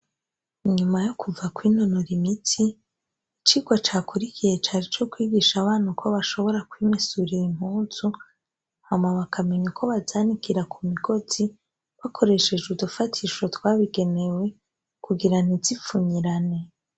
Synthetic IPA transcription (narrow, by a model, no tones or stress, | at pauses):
iɲumajokʰuvakwinonoɾimitʰi | t͡ʃiːɡwat͡ʃaːkuɾikʰije̞t͡ʃaːɾit͡ʃo̞kwiːɡiʃaβaːn̥ukʰo̞βaʃo̞βo̞ɾakwiːmesuɾijim̥huːnzu | hamaβakʰame̞ɲukʰo̞βazaːnikiɾakʰumiɡo̞z̥i | βakʰo̞ɾe̞ʃe̞d͡ʒudufatʰiʃo̞twaːβiɡe̞ne̞we̞ | kuɡiɾan̥izifuɲiɾane̞